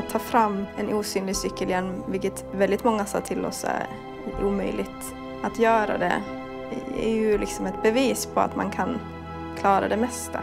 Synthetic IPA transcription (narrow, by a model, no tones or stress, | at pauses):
t̪ʰːɑːfɾamːɛnʔuːsyːnlɪɡsʏkːəljɛnːvɪlkət̪vɛld̪ɪt̪mɔŋːasɑ̰ːt̪ʰɪlːɔ̰sːæ̰ɾ | ʔuːmœʏlɪɡt̪ | at̪jœːɾa̰d̪ɛ̰ | ɛ̰ɾjɵlɪksɔmɛt̪̚bɛviːspʰɔa̰t̪ma̰nkʰan | kʰlɑːɾa̰d̪ɛmɛst̪ʰa̰